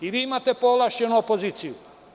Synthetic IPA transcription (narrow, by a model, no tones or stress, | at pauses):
iʋiːimat̪epolaʃt͡ʃenuopoziːt̪siju